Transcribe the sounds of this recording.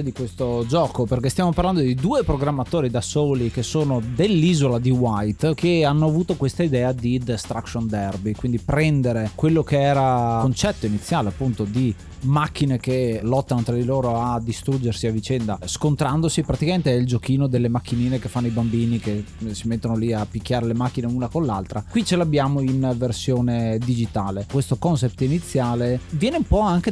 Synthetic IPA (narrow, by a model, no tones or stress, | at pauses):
d̪ikwest̪od͡ʒɔːkoperkest̪jaːmoparland̪od̪id̪uːepɾoɡɾamːat̪oːɾid̪asoːlikesoːnod̪elːiːzolad̪iwajt̪keanːoavuːt̪okwest̪aid̪ɛːad̪id̪est̪ɾakʃond̪ɛrbikwind̪ipɾɛnd̪eɾekwelːokeɛːɾaont͡ʃɛt̪ːoinit̪sːjaːleapːunt̪od̪i | makːinek̟elɔt̪ːanot̪ɾad̪iloːɾoad̪ist̪ɾud͡ʒːersiavit͡ʃɛnd̪askont̪ɾand̪osipɾat̪ikament̪eɛild͡ʒokiːnod̪elːemakːiniːnekefːanːoibambiːnikesimet̪ːonoliapik̟ːjaːɾelemakːineunakonlalt̪ɾakwit͡ʃelabːjaːmoinversjoːned̪id͡ʒit̪aːlekwest̪okɔnsɛp̚t̪init̪sːjaːlevjɛːneumpɔaŋk̟e